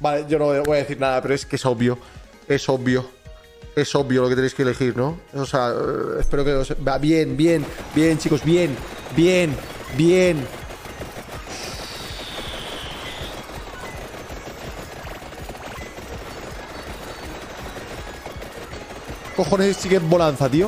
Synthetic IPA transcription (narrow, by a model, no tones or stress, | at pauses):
baleʝo̞noβojaβo̞jaðeθiɾnaðapeɾoeskeso̞βjo̞ | e̞so̞βjo̞ | e̞so̞βjolo̞ket̪enejskele̞xiɾno̞oseaespe̞ɾo̞keosebaβje̞nbje̞nbje̞nt͡ʃiko̞zβje̞n | bjen | bjen | ko̞xo̞nesest͡ʃikembo̞lan̟θat̪io